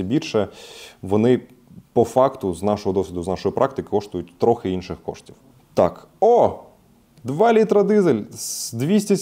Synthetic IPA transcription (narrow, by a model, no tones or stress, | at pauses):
ɐbʲirʲʃɛʋɔnɪ | pɔfɑkt̪ʊznɑʃɔɦɔd̪ɔsʲʋʲid̪ʊznɑʃɔjipɾʔɑkt̪ɪkɪ̥kɔʃt̪ʊjʊt̚ʲt̪ɾɔxɪinʃɪxkɔ̰ʃtʲiw | t̪ɑk | ɔ | d̪ʋɑlʲit̪ɾɐd̪ɪzelʲsd̪ʋʲisʲtʲɐsʲ